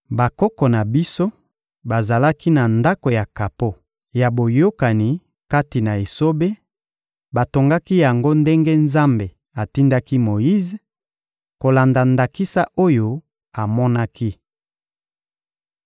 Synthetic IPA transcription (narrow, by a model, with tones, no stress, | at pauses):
ba˨kɔ˦kɔ˨na˨bi˦so˦ | ba˨za˨la˦ki˦na˨nda˦ko˨ja˨ka˨po˦ | ja˨bo˨jo˦ka˨ni˨ | ka˦ti˨na˨e˨so˦be˦ | ba˨to˨ŋɡa˦ki˦ja˨ŋɡo˦nde˦ŋɡe˦nza˦mbe˨ | a˨ti˦nda˦ki˦mo˨ji˦z | ko˨la˨nda˨nda˨ki˦sa˦ʔo˦jo˦ | a˨mɔ˦na˦ki˦